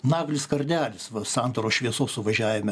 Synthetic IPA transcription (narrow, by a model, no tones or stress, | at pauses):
nɑːɡlʲɪskɐɾʲd̪ʲæːlʲɪsʋɐsɑnt̪oːɾoːʃʲʋʲiɛsoːsʊʋɐʒʲæːʋʲɪmʲɛ